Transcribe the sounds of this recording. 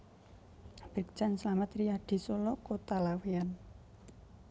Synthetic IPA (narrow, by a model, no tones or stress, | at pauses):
b̥e̤k̚d͡ʒ̥a̤nslamət̪rijaɖ̪̥i̤solɔkot̪alawean